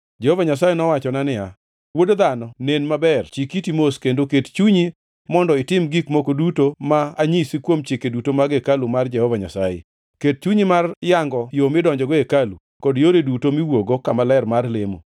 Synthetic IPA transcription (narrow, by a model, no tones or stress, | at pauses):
d͡ʒɛhovaɲasajenɔwat͡ʃɔnanɪja | wodd̪anɔnenmabɛrt͡ʃikitimoskendokett͡ʃuɲi | mɔndɔɪtɪmɡikmokodutomaːɲisikwomt͡ʃɪkedutomaɡekalumard͡ʒɛhɔvaɲa̰sajḛ | ket̚t͡ʃuɲimarjaŋɡɔjomɪdɔɲd͡ʒɔɡɔekalṵ | kɔdjoɾedutomiwoɡokamalɛrmarlemo̰